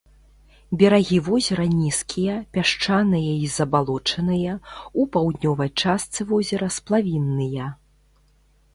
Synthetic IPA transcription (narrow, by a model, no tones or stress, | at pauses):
bʲɛɾaɣʲivɔzʲɛɾɐnʲiskʲʰijɐpʲaʂt͡ʂanɨjɐizɐbalˠɔt͡ʂɐnɨjɐupawd̪ʲnʲɔvɐjt͡ʂast̪sɨvɔzʲɛɾɐsplˠavʲinːɨjɐ